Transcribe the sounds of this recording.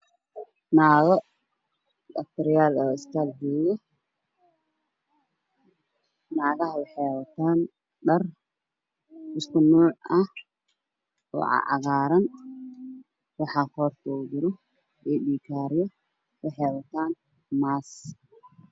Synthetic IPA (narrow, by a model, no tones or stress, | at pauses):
naːɣɔ | dɐf̚t̪ʰɐɾɪjaːlɔːɪskʰalhɛːjɔ | naːɣɐɦɐwɑħɛjwɐt̪ʰaːn | ɖɐr | ɪskʰʊnuːʕɐh | ɔ̰ːʕɑ̰ʕɑ̰ɣaːɾɐn | wɑħɑːhɔːrt̪ʰɔdɪɾɔ | ɛːɖiːkʰaːɾɪjɔ | wɑħɛjwɐt̪ʰaːn | maːs